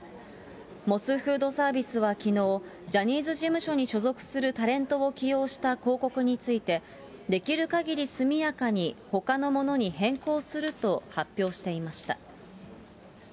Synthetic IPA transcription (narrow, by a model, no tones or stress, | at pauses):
mo̞sɨɸɯ̟ːd̪o̞saːbʲisɨβakʲino̞ː | d͡ʑaɲ̟iːzɨʑimɯ̟ɕo̞ɲ̟iɕo̞zo̞kɯ̟̥sɨɾɯ̟t̪aɾẽ̞nt̪o̞okʲijo̞ːɕi̥t̪ako̞ːko̞kɯ̟ɲ̟it͡sɨit̪e̞ | d̪e̞kʲiɾɯ̟kaɡʲiɾʲisɨmʲijakaɲ̟iho̞kano̞mo̞no̞ɲ̟iɦẽ̞ŋko̞ːsɨɾɯ̟t̪o̞hapʲːjo̞ːɕi̥t̪e̞imaɕi̥t̪a̰